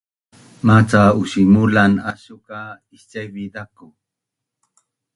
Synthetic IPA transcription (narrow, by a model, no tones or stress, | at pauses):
mat͡saʊʃimʊlanaʃʊka | ist͡ʃajbid̪akʊ